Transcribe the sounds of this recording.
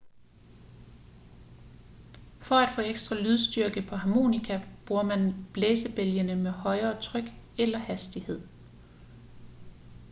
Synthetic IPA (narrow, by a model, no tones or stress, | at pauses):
fɒ̽æd̥fɔ̰ːeɡ̥sd̥ʁɑ̈lyð̞ˠsd̥yɐɡ̥əpʰɒ̽ɦɑ̈mo̝̰ːnikʰæb̥ʁuɐmænb̥leːsəb̥eljənəmehɒ̽ɪɐːt͡sʰʁœɡ̥ | elɐhæsd̥ihe̝ð̞̰ˠ